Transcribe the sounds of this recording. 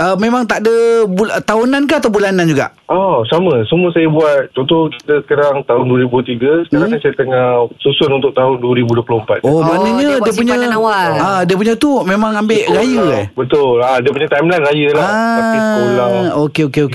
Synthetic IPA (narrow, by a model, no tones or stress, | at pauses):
əmẽmãŋt̪aʔdəbult̪aɦunankaat̪awbulanand͡ʒuɡa̰ʔʔɔsamə̃səmũəsajəbuat̪̚t͡ʃɔ̃nt̪ɔki̥t̪əsə̥kaɾaŋt̪aɦʊnduəɾibut̪iɡəsə̥kəaasajat̪əŋasusanunt̪ʊʔ̚t̪aɦʊnduəɾibuduəplʊəmpat̪̚omanəɲədiəp̬uɲəawaladiəp̬uɲət̪umemãŋambeʔɾajəbət̪ʊladiəpuɲət̪ajmlajnɾajəlaaaiulaokeokeoke